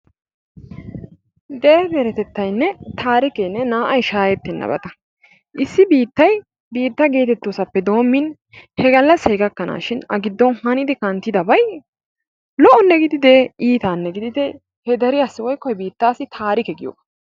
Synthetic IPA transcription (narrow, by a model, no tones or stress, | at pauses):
ɡ̪ɛɛbɛɾɛt̪ɛt̪ːɐjnːɛt̪ʰaːɾɪkenːɛnaːʔɐjʃaːjɛt̪ːɛnːɐ̰bɐ̰t̪ɐ | ʔɪsːɪbiːt̪ːɐj | biːt̪ːɐɡe̞ːt̪ɛt̪ːosɐpːɛd̪o̞ːmːɪn | hɛɡɐlːɐsheːɡɐkːɐna̰ːʃɪnɐɡɪd̪ːɔnhɐnɪd̪ɪkɐnt̪ːɪd̪ɐbɐj | lɔʔɔnːɛɡɪd̪ɪd̪eːʔiːt̪aːnːɛɡɪd̪ɪd̪ɛ | hɛd̪ɐɾɪɐsːɪwɔjkːɔjɛbiːt̪ːaːsɪt̪ʰaːɾɪkɛɡɪjo̰ːɡɐ̥